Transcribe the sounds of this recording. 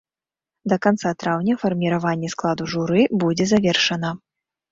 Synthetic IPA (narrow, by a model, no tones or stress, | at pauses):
d̪ɐkant̪sat̪ɾawnʲɐfɐrmʲiɾavanʲːɛsklˠad̪uʐuɾɨbud͡zʲɛzavʲɛrʂɐnɐ